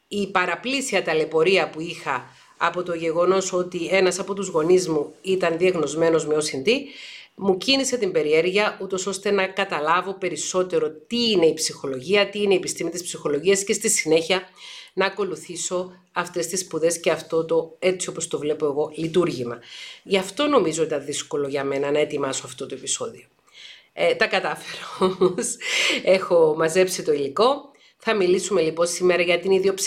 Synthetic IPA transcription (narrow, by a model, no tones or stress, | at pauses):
ipɐɾɐplisiɐt̪ɐle̞po̞ɾiɐpuixɐː | po̞t̪o̞ʝe̞ɣo̞no̞so̞t̪ie̞nɐsɐpo̞t̪uzɣo̞nizmuit̪ɐnðieɣno̞zme̞no̞zmo̞sind̪imucinise̞t̪imbe̞ɾie̞ɾʝɐʔut̪o̞so̞st̪e̞nɐkɐt̪ɐlɐvo̞pe̞ɾiso̞t̪e̞ɾo̞t̪iine̞ipsixo̞lo̞ʝiɐt̪iineiːpist̪imit̪ispsixo̞lo̞ʝiɐsce̞st̪isine̞çiɐnɐːko̞luθiso̞ | ɐft̪e̞st̪ispuðe̞sceɐft̪o̞t̪o̞e̞t͡sio̞po̞st̪o̞vle̞po̞e̞ɣo̞lit̪uɾʝimɐʝɐft̪o̞no̞mizo̞it̪ɐnðisko̞lo̞ʝɐme̞nɐnɐe̞t̪imɐsoɐft̪o̞t̪o̞e̞piso̞ðio̞ | t̪ɐkɐt̪ɐfeɾoose̞xo̞mɐze̞psit̪o̞iliko̞ | θɐmilisume̞lipo̞nsime̞ɾɐʝɐt̪iniðio̞ps